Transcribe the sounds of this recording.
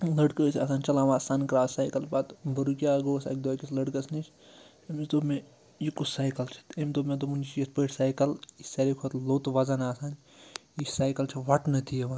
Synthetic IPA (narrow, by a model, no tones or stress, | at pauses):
lɐɖkəsʲa̰ːsaːnʲt͡ʃɐlaːʋaːsaːnkɾaːsaːjkɐlbat̪bɐɾukʲaːɡoːsa̰ːk̚d̪oːkʲislɐɖkɐsnit͡ʃ | emsd̪ome | jikusajkɐlt͡ʃʰɐ̥t̪emd̪omẽd̪omund͡ʒit͡ʃjɐspəʈsaːjkɐlisɐɾikʰot̪loːt̪ʋɐzɐnaːsaːn | isaːjkɐlt͡ʃʰɐʋɐʈnɐt̪ʰijeʋa